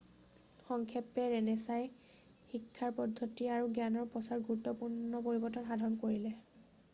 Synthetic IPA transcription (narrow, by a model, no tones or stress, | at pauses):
xɔŋkʰɛpɛɹɛnɛsaj | xikʰːaɹpɔdʱːotiaɹuɡanɔɹpɹɔsaɹɡuɹutːɔpuɹnɔpoɹibɔtɔtxadʱɔnkoɹilɛ